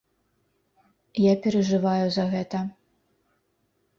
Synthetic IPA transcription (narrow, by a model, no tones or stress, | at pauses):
japʲɛɾɐʐɨvajuzɐɣɛt̪ɐ